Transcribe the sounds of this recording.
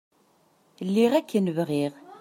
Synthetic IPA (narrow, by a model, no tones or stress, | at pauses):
lːiʁækːənvʁiʁ